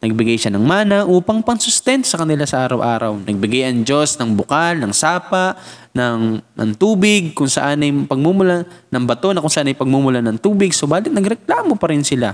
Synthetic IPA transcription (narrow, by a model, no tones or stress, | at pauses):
nɐɡ̚bɪɡajʃanɐŋmaːnɐʔuːpɐŋpɐŋsʊst̪ɛnt̪osɐkɐnɪlasɐʔaːɾɐwʔa̰ːɾɐwnɐɡ̚bɪɡajɐŋd͡ʒo̞snɐŋbʊkalnɐŋsaːpa | nɐŋʔɐ̰ŋt̪uːbɪɡ̚kʊŋsɐ̰ʔanɐjpɐɡ̚mumʊlanɐŋbɐt̪o̞nɐkʊŋsɐʔanɐjpɐɡ̚mumʊlanɐŋt̪uːbɪɡ̚sobaːlɪt̪nɐɡɾɛklaːmopɐɾɪnsɪla